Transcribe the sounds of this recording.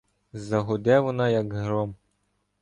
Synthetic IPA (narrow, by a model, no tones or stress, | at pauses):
zɐɦɔd̪ʲɛʋɔnɑjakɦɾɔm